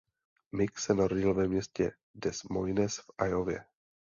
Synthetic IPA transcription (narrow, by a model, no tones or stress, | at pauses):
mɪksɛnaɾoɟɪlvɛmɲɛscɛ | dɛsmojnɛsfʔajovjɛ̰